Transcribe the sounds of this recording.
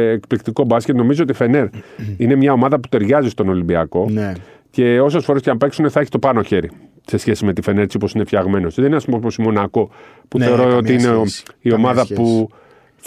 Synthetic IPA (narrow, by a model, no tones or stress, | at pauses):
ekplik̚t̪iko̞bɐskcet̪no̞mizo̞o̞t̪ife̞ne̞ɾine̞mɲɐo̞mɐðɐpu̥t̪e̞ɾʝɐzist̪o̞no̞limbiɐko̞n | ce̞o̞se̞sfo̞ɾe̞sceɐmpe̞ksuneθɐeçi̥st̪opɐno̞çe̞ɾi | se̞sçe̞sime̞t̪ife̞ne̞ɾsiopo̞sine̞fçɐɣme̞no̞sðeninɐspumpposimo̞nɐko̞puθe̞o̞ɾoot̪iineio̞mɐðɐpu | θ